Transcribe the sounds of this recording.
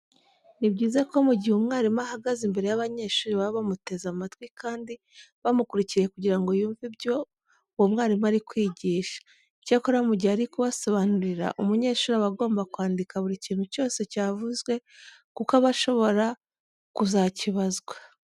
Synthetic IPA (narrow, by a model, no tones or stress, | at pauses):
nibɟiːzeko̞muɟihumŋaːɾimahaɡazimbe̞ɾe̞jaβaɲe̞ʃuːɾiβaββamute̞zamatwikʰaːndi | βamukuɾiciɾejekuɟiɾaŋɡo̞juːɱvibɟo̞ | womŋaːɾimaɾikwiːɟiːʃḁ | cakoɾamuɟiaɾikuβaso̞βanuɾiɾa̰ʔumuɲe̞ːʃuːɾaβaɡo̞ːmbakwaːndikaβuɾiciːn̥huco̞ːse̞caːvuzɡwe̞ | kukaβaʃo̞βo̞ɾa | kuzaciβazɡwḁ